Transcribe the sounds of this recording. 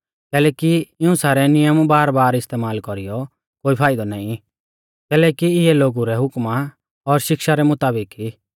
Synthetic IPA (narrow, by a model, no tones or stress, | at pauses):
kɛːlɛːkiɪũsaːɾɛnɪjəmbaːɾbaːɾɪst̪eːmaːlkɔɾijɔ | koːipʰaːɪd̪ɔnaːĩ | kɛːlɛːkiɪɛloːɡuɾɛɦʊkma | ɔɾʃɪkʃaɾɛmʊt̪aːbɪkiː